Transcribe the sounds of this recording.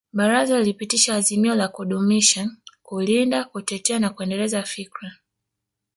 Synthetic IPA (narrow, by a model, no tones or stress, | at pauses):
ɓaɾazalilipitiʃaːzimiɔlakuɗumiʃakulindakutɛtɛanakuɛndɛlɛzafikɾa